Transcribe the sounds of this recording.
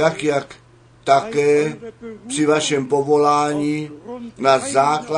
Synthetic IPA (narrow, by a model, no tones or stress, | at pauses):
akjak | t̪akɛːpr̥ivaʃɛmpovolaːɲinazaːkla